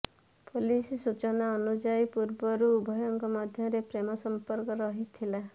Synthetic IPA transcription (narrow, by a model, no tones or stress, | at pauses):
polissut͡ʃɔnaɔnud͡ʒajpuɾbɔɾuːbʱɔjɔŋkɔmad̪ʱjɔɾepɾemɔsɔmpɔɾkɔɾɔɦit̪ʰila